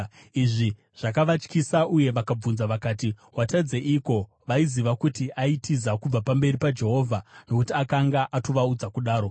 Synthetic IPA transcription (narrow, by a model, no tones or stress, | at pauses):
iʐi | ʐ̥akaʋat͡ʃkisaʔuje̞ʋakab͡vunzaʋakaːti | watad͡ze̞ʔiko̞ | ʋaiziʋakutiʔaitizakub͡vapambe̞ripad͡ʒe̞ɦo̞ːvʱano̞kutiakaŋɡaʔato̞ʋaud͡zakuɗaːɾo̞